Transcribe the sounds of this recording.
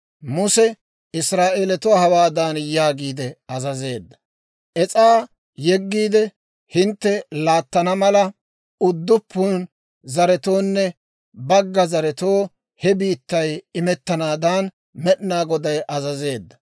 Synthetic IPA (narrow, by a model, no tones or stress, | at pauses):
mʊsɛ | ɪsɾaːʔeːlɛt̪ʊwaːhɐwaːd̪aːnjaːɡiːd̪ɛɐzɐze̞ːd̪ːɐ̥ | ʔɛt͡sʼaː | jɛɡːiːd̪ɛ | hɪnt̪ːɛlaːt̪ːɐnɐmɐlɐ | ʊd̪ːʊpːʊn | zɐɾɛt̪o̞ːnːɛ | bɐɡːɐzɐɾɛt̪oː | hɛbiːt̪ːɐjɪmɛt̪ːɐnaːd̪aːn | mɛɗnaːɡɔd̪ɐjʔɐzɐze̞ːd̪ːɐ